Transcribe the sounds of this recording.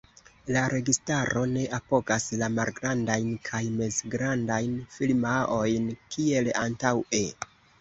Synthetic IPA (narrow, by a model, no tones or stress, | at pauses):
laɾe̞ɡistaɾo̞ne̞ʔapo̞ɡaslamalɡɾandajnkʰajme̞zɡɾandajnfilmao̞jnkʰie̞la̰ntawe